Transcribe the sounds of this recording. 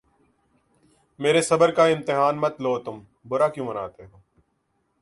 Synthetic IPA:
meːɾesɐbəɾkaɪ̃mt̪ɪɦaːnmɐt̪loːt̪ʊm | bʊɾaːkjũːməna̰ːt̪eɦoː

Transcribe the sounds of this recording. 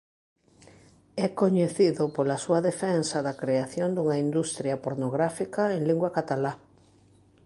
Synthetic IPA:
ɛkoɲeθiðʊpolasuɐðefɛnsɐðakɾeaθjond̪uŋaind̪ust̪ɾjɐpoɾnoɣɾafikaeŋliŋɡwakat̪ala

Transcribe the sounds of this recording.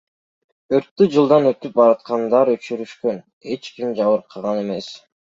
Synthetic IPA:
øɾt̪ːyd͡ʒɯlˠd̪ɑnøt̪yp̚bɑɾɑt̪qɑnd̪ɑɾøt͡ʃyɾyʃkøn | e̞t͡ʃkimd͡ʒɑβɯɾqʰːɑʁɑne̞me̞s

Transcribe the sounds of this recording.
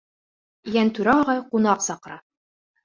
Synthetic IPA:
jænt̪ʉɾæːʁɑjqunɑqsɑqɤ̆ɾɑ

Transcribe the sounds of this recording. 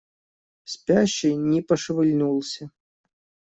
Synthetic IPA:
sʲpʲaɕːɪjnʲipɐʂɨvɨlʲnulˠsʲɐ

